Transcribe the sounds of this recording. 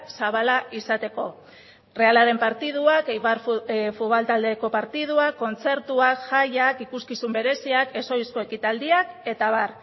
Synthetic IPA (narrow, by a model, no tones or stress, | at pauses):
saβalaʔisat̪e̞ko̞̰ | re̞alaɾe̞mpaɾt̪ið̞uakejβaɾfualt̪ald̪e̞ko̞paɾt̪ið̞uako̞nt͡se̞ɾt̪uakʝajakikuskisumbe̞ɾe̞siake̞so̞jsko̞e̞kit̪ald̪iake̞t̪aβ̞ar